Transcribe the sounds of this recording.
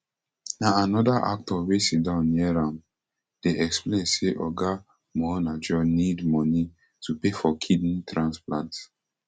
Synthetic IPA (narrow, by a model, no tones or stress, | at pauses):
naanɔdaʔa̰k̚tɔwesit̚dãʊ̃nːiɛɹãm | d̥eʔɛksplẽnseʔɔɡa | mɔnad͡ʒɔnidmɔ̃ni | tʰupefɔkʰid̃ntɹãnsplãnt